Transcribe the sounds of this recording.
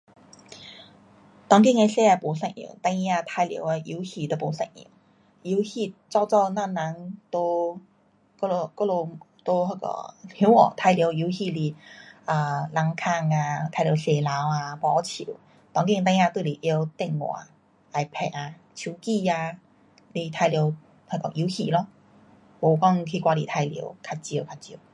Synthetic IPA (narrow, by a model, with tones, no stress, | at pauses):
t̪ɔ˧˥˦ŋki˥˨ŋe˧se˥˧a˧po˨˦sa˥˧˩ŋḭ˨˩˨ŋt̪a˧ŋi˧a˧t̪ʰa˧jlj̰we˧ʔi˧˦hi˧˩t̪ə˧˩po˨˦sa˥˧ŋḭ˨˩˦w | i˧˦whi˥˧˩t͡sɔ˥˧t͡sɔ˥˧na˥˧na˧˥ŋt̪o˧ | ko˥˧lo˧ko˥lo˧ | t̪o˧˥ɦə˧˩kɔ̰˨˩hji˧˦ŋɔ̰˨˩t̪ʰa˧jljo˧˦wi˧˥˦wxi˥˧˩li˨˩ə˨˩la˧ŋkʰa˥˧ŋa˧t̪ʰa˧lji˨˧˦se˨˩la˨˦wa˧pɔ˨˧˦t͡ɕʰḭ˨˦w | t̪ɔ˧˦ŋki˧t̪̬ã˧ŋjã˧t̪we˥˨li˨˩ʔe˧˦wt̪ɛ˥˧˩ŋŋwã̰˨˩ | a˧˩jpʰɛ˨˩a˧ | t͡ɕʰu˧˩˦ki˥˧a˧ | li˧˩t̪ʰa˧jljo˧˦ | hkɔ̰˨˩ʔi˧˦xi˧lɔ˧˦ | bo˨˩kɔ˥˧ŋkʰi˧kwa˧lḭ˨˩t̪ʰa˧jljo̰˧˦ʊkʰa˧t̚t͡ɕji˧˨kʰa˧t̚t͡ɕji˧˩